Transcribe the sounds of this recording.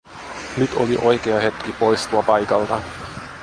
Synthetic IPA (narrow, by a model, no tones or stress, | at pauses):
nyt̪oliʔo̞jkeɑɦe̞t̪kipo̞jst̪uɑpɑjkɑlt̪ɑ